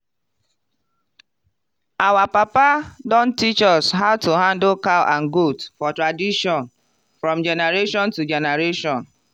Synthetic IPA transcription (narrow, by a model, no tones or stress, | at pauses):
awapapadɔn̩tit͡ʃɔsɦaʊtuɦandokalʔan̩ɡudfɔtɾadiʃɔn | fɾɔ̃md͡ʒɛneɾeʃɔntud͡ʒɛnaɾeʃɔ̃n